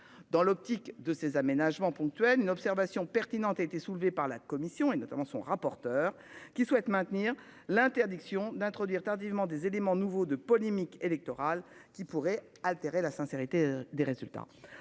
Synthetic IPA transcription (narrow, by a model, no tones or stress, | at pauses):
d̪ɑ̃lɔp̚t̪ikd̪əsezamenaʒmɑ̃pɔ̃k̚t̪ɥɛlynɔpsɛʁvasjɔ̃pɛʁt̪inɑ̃t̪aet̪esulvepaʁlakɔmisjɔ̃enɔt̪amɑ̃sɔ̰̃ʁapɔʁt̪œːʁ | kʲiswɛt̪mɛ̃t̪niʁ | lɛ̃t̪ɛʁd̪iksjɔ̃d̪ɛ̃t̪χɔd̪ɥiʁt̪aʁd̪ivmɑ̃d̪ezelemɑ̃nuvod̪əpɔlemikelɛk̚t̪ɔʁalkʲipuʁɛ | alt̪eʁelasɛ̃seʁit̪ed̪eʁezylt̪a̰